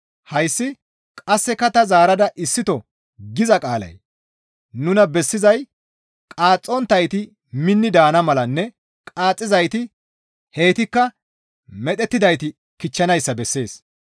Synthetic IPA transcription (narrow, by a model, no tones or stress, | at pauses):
hɐjsːɪ | kʼɐsːɛkɐt̪ɐzaːɾɐd̪ɐʔɪsːɪt̪ɔ | ɡɪzɐkʼaːlɐ̰j | nʊnɐbɛsːɪzɐj | kʼaːt͡sʼːɔnt̪ːɐjt̪ɪ | mɪnːɪd̪aːnɐmɐlɐnːɛ | kʼaːt͡sʼːɪzɐjt̪ɪ | he̞ːt̪ɪkːɐ | mɛt̪ʼɛt̪ːɪd̪ɐjt̪ɪ | kɪt͡ʃːɐnɐjsːɐbɛsːe̞ːs